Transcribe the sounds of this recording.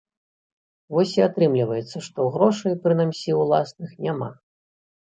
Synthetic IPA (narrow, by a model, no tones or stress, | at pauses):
vɔsʲiat̪ɾɨmlʲivɐjɛt̪sːɐʂt̪ɔɣɾɔʂɐjpɾɨnamsʲiwlˠasnɨxnʲama̰